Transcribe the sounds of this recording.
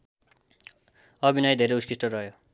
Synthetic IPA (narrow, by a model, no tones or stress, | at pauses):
ʌbinajd̪ʱeɾejuskisʈʌrʌɦjo